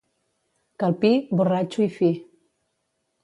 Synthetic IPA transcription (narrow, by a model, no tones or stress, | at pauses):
kalˠpiburat͡ʃuifi